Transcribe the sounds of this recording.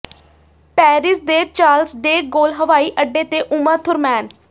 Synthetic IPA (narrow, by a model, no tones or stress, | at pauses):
pɛːɾɪsd̪eːt͡ʃaːlsd̪eːɡoːlɦəʋaːiːʔəɖːeːt̪eːʔʊmãːt̪ʰʊɾmɛːn